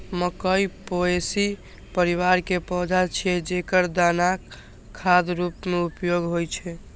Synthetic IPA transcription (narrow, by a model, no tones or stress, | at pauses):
məkəjpoesi | pəɾiʋaɾkepɔd͡ʒat͡ʃʰiɛd͡ʒekəɾd̪anakʰː | ad̪ɾupmeupjoɡɦojt͡ʃʰɛ